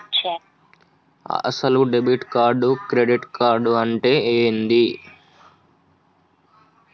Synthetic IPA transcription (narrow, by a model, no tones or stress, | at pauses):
sɐluɖebiʈkaːɾɖukɾeɖiʈkaːɾɖuɐɳʈe̞ːeːnd̪i